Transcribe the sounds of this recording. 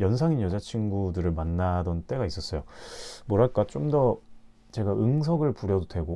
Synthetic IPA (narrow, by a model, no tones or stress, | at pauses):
jʌnsʰaŋinjʌd͡ʑat͡ɕʰinɡudɯɾɯɭmanːadʌnt͈e̞ɡais͈ʌs͈ʌjomoɾɦaɭk͈at͡ɕ͈omdʌ | t͡ɕe̞ɡaʔɯŋs̬ʰʌɡɯɭpuɾjʌdodwe̞ɡo